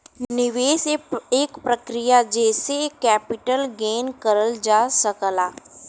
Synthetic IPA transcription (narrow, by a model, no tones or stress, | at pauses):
nɪʋeːseeːkpɾəkɾɪjad͡ʒɛːsekɛːpɪʈəlɡeːnkəɾəld͡ʒaːsəkəlaː